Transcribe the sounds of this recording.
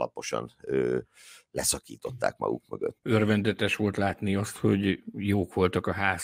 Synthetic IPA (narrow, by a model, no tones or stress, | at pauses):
lɒpo̞ʃɒ̰nøː | lɛsɒkiːt̪o̞t̪ːa̰ːk̚mɒ̰ɡuk̚møɡøt̪ːørvɛnd̪ɛt̪ɛʃʋo̞lt̪laːt̪niɒst̪ho̞ɟjoːkʋo̞lt̪ɒkɒɦaːs